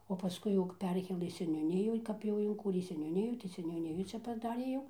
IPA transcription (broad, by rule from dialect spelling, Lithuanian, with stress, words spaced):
oː pɐˈskʊɪ jɛʊ kɐp ˈpʲɛrʲkʲeːlˠɘ sʲɛnʲuːˈnʲɪjʊ ˈkɐp jɛʊ ɪŋˈkuːrʲeː sʲɛnʲuːˈnʲɪjuː tɐɪ sʲɛnʲuːˈnʲɪjuː ˈt͡ʃʲɛ pɐˈdɑːrʲeː jɛʊ